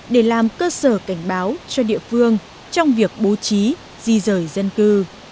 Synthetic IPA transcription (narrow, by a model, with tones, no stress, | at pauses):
ɗe˧˩laː˨˩mkəː˧səː˧˩ka˧˩jŋ̟ɓaː˨˦wt͡ɕɔ˧ɗḭ˧˨əfɨ˧əŋ | t͡ɕɔ˧wŋ͡mvi˨˩ək̚ɓo˨˦t͡ɕi˨˦ | z̥i˧zəː˧˩jzə˧nkɨ˧